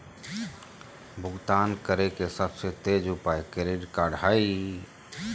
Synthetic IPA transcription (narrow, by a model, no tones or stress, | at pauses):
bʱʊɡt̪aːnkəɾekesəbset̪eːd͡ʒʊpaekeɾeɖkaɽʱai